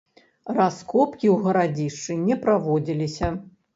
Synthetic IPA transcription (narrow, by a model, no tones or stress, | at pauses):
raskɔpkʲiwɣɐɾad͡zʲiʂt͡ʂɨnʲɛpɾavɔd͡zʲilʲisʲɐ